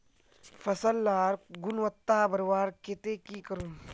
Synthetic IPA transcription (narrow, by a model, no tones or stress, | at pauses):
fɐsɐlːaːɾɡʊnwɐt̪ːaːbɐɾwaːɾket̪eːkiːkɐɾun